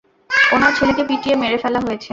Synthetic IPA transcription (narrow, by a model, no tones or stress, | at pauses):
onaɾt͡ɕʰolekepiʈiemeɾefɛlaɦojet͡ɕʰe